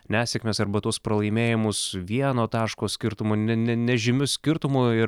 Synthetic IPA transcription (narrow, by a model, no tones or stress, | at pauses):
nʲæːsʲɛkmʲeːsɐɾbɐt̪uɔspɾɐlˠɐɪmʲeːjɪmʊsʋʲiɛnoːt̪ɑːʃkoːsʲkʲɪɾt̪ʊmʊnʲɛnʲɛnʲɛʒʲɪmʲʊsʲkʲɪɾt̪ʊmʊɪ